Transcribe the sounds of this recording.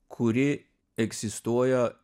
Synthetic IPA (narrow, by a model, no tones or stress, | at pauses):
kʰʊɾi | ɛksɪst̪oːjɐ